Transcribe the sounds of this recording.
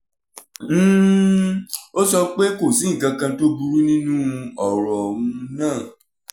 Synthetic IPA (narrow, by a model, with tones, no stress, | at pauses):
o˦sɔ˧k͡pe˦ko˦˨sĩ˨˦˨ɡã˨˧kã˧to˦bu˧ɾu˦nĩ˦nũ˦˧ɔ˨ɾɔ˨wũ˧nãː˦˨